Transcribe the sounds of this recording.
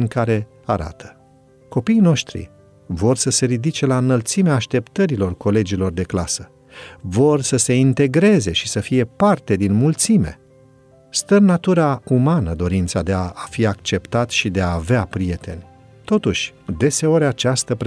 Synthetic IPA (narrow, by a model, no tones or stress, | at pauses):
ŋkaɾe̞ | aɾa̰t̪ʰə̥ | ko̞piːno̞ʃt̪ɾḭ | vo̞rsəse̞ɾid̪it͡ʃe̞laɨnəlt̪simeaːʃt̪e̞pt̪əɾilo̞rko̞le̞d͡ʒilo̞rd̪e̞klasə | vo̞rsəse̞int̪e̞ɡɾe̞ze̞ʃisəfije̞part̪e̞d̪inmult̪sime̞̰ | st̪ənnat̪uɾaumanəd̪o̞ɾint̪sad̪e̞afiakt͡ʃe̞pt̪at̪ʃid̪e̞aːveapɾije̞t̪e̞nʲ | t̪o̞t̪uʃʲd̪e̞se̞o̞ɾʲat͡ʃast̪əpɾ